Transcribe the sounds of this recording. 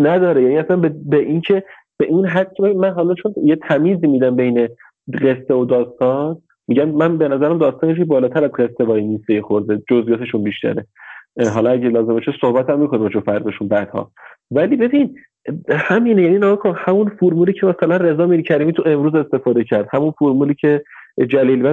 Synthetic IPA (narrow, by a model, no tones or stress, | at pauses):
næd̪ɒːɾejæniæsænbebeʔincʰe̞ | b̥eʔinɦæd̪̚cʰebeinmænɦɒlɒt͡ʃʰo̞njet̪ʰæmiːziːmid̪æmbeine̞ | ɢe̞st̪eod̪ɒːst̪ɒn | miɟæmmænbe̞næzæɾæmd̪ɒːst̪ɒnjecʰebɒːlɒːt̪ʰæɾæzɢest̪evɒːjiniːst̪ejexoɾzed͡ʒozijɒːt̪ʰe̞ʃunbiʃt̪æ̰ɾeɦɒlɒæɟelɒːzembeʃesohbæt̪æmːiːkʰo̞nimbɛt͡ʃʰofæɾd̪ɒʃunbæd̪̥hɒ̰vælibe̞bin | hæmiːnejæninæʁkʰohæmunfuɾmuːliːcʰemæsælænre̞zɒːmilcʰæɾiːmiːt̪ʰue̞mɾuːze̞st̪e̞fɒːd̪e̞cʰæɾd̪̥hæmunfuɾmuːliːcʰe̞ | d͡ʒæliːlbæ